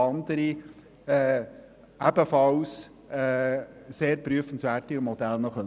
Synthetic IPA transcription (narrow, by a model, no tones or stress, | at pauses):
ɑnd̪əɾi | ɛː | æbəfɑws | ɛseːɾpɾyəfən̩sʋæːɾtimɔd̥̪ælnəχœ